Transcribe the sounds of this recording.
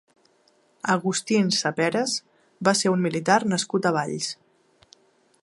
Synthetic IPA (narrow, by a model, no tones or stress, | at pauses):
əɣust̪insəpɛɾəz | baseɾummilit̪arnəskut̪əβ̞aʎs